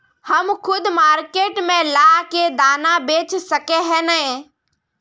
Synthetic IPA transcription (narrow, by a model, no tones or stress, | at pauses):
hɐmkʰʊd̪maːɾkeːʈmẽlaːɦked̪aːnabeːt͡ʃʰsɐkeɦɛnəɦẽ